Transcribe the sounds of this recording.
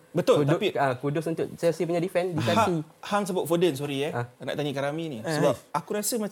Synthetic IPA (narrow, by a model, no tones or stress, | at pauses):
bət̪ʊld̪piakudʊsunt̪ʊʔsajasiəp̬uɲãdifɛnsdit͡ʃat̪i | haŋs̬əbʊt̪̚fodəns̬uɾiɛana̰ʔt̪aɲəkaɾaminisəbaakuɾasəma